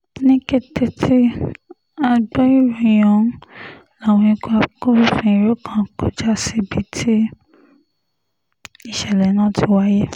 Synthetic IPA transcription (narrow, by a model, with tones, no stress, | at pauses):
nĩ˦ke˦te˧tʰi˦ | a˧ɡ͡bɔ˦i˦ɾo˨j̃ɔ̃˨˦ | la˨wɔ̃˧ĩ˧ko˦a˧˨ko˦ɾi˦fĩ˧i˨ɾo˦kã˦˨ko˨d͡ʒa˦si˦bi˨˦tʰi˦ | i˨ʃɛ˨lɛ˨nãː˦˨ti˧˦wa˦je˦